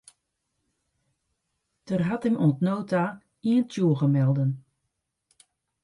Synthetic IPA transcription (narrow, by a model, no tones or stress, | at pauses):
d̥ərɦatɛmoəntnoːta | iəntʰjuːɣəmɛlˠdən